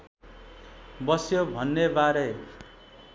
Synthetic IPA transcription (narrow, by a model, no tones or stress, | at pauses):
bʌsjobʱʌnːebaɾe